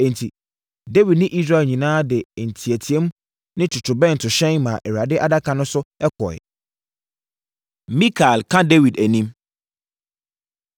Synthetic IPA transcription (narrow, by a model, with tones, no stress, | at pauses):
ɛ̃˨n˨tʰi˨ | de˦wi˨d̚nɪ̃˦ʔi˦s̬ɾa˦˨ɛ˨lɲĩ˨nãː˦dɛ˨n̩˨tʰi˨æ˨tʰi˨ɛ˦m˦ | nɪ̃˦tʰʊ˨tʰʊ˨bɛ̃˦˨n˨tʰʊ˨ɕɛ̃˦ŋmã˨ʔɛ˨wa˨dɪ˦ʔa˦da˦kʰã˨nʊ̃˦sʊ˦ɛ˦kʰɔ̰˨ɛ̰˨ | mĩ˦kʰa˨lkʰã˦de˦wi˨dæ˨nĩ˦m